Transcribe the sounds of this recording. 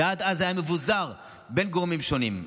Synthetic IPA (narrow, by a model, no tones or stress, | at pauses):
aːd̪azajamevuzaʁ | benɡoʁmimʃonim